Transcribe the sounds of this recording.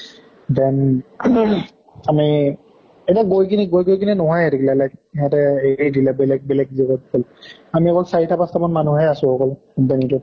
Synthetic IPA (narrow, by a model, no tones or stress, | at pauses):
dɛn | ami | etiaɡojkiniɡojɡojkininɔɦɔjɛdiklalajk̚ɦɛtɛeɹidilɛbɛlɛɡ̚bɛlɛɡ̚ziɡɔt̚kɔlamiɛkɔlsaɹitʰapastamɔnmanuɦɛasʊ̃ɔkɔl | ubanitɔ